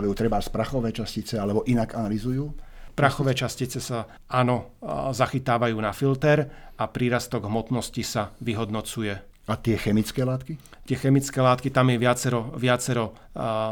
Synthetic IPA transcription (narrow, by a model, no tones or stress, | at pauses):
lɛjuːt̪ɾɛbaspɾaxɔʋɛːt͡ʃascit͡sɛalɛbɔʔinaɡanalizujuːpɾaxɔʋɛːt͡ʃascit͡sɛsa | aːnɔzaxit̪aːʋajuːnafilt̪ɛɾapɾiːɾast̪ɔɡɦmɔt̪nɔscisaʋiɦɔd̪nɔt͡sujɛ | at̪ɪɛxɛmit͡skɛːlaːt̪kit̪ɪɛxɛmit͡skɛːlaːt̪kit̪amjɛʋɪat͡sɛɾɔʋɪat͡sɛɾɔ